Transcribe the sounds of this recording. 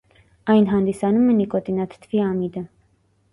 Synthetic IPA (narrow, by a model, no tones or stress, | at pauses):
ɑjnɦɑnd̪isɑnumɛnikɔt̪inɑt̪ʰt̪ʰviɑmid̪ə